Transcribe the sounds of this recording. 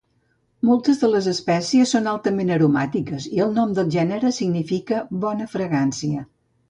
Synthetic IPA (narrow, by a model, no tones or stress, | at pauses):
mɔlˠt̪əzðələzəspɛsiəsːonalˠt̪əmenəɾumat̪ikəziəlˠnɔmd̪əlˠʒɛnəɾəsiɡnifikəβɔnəfɾəɣansiə